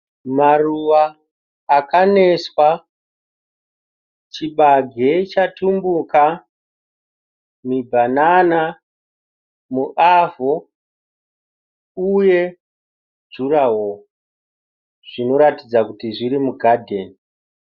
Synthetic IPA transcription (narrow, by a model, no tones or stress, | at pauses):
maruʋaː | kane̞swa | t͡ʃiɓaɡʱe̞t͡ʃatumbuka | mibʱanana | muʔavo̞ | uje̞ | d͡ʒuɾawo | ʐ̥ino̞ɾatid͡zakutiʐiɾimuɡʱadʱe̞ːni